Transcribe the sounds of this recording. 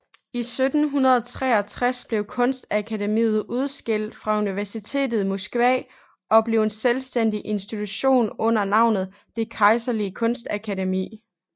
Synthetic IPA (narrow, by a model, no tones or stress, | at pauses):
isød̥n̩ɦunɐð̞ˠɒt͡sʰʁɛɐt͡sʰʁasb̥le̝ʊkʰɔ̽nsd̥ækʰædemḭːð̩ˠuð̞ˠsɡ̥e̝l̰d̥fʁɑ̈uniʋæɐsit͡sʰe̝̰ːd̥ð̞̩ˠimosɡ̥ʋɛ̰ː | ɒ̽b̥le̝ʊenselsd̥en̰d̥iʔe̝nsd̥it͡sʰuɕo̝̰ːnɔ̽n̰ɐnɑ̈ʊ̰nð̞̩ˠ | d̥e̝kʰɑ̈ɪsɐliəkʰɔ̽nsd̥ækʰæɾemḭː